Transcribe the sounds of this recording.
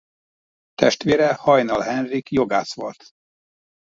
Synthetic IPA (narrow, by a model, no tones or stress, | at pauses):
t̪ɛʃt̪ʋeːɾɛhɒjnɒlɦɛnrikjo̞ɡaːsʋo̰lt̪